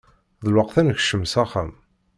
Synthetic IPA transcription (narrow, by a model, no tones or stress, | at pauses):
ðəlwəqθænəçʃəmsæχæm